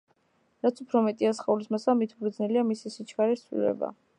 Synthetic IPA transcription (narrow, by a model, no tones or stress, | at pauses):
ɾat̪sʰupʰɾɔmɛt̪ʼiasχaulismasamit̪ʰbɾd̪znɛliamisisit͡ʃʰkʰaɾiɾt̪sʰlḭlɛ̰ba̰